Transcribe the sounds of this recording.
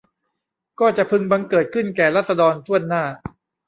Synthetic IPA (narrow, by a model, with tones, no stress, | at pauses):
kɔː˥˩t͡ɕa˨˩ʔpʰɯ˧ŋba˧ŋkɤː˨˩t̪̚kʰɯ˥˩nkɛː˨˩laː˥˩sa˧dɔː˧nt̪ʰu˥˩ənːaː˥˩